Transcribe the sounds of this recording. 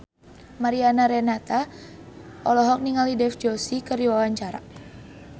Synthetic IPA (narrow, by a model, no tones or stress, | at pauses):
maɾianaɾɛnat̪a | ʔɔlɔɦɔk̚niŋalidɛfd͡ʒɔsikəriwawaɲt͡ʃaɾa̰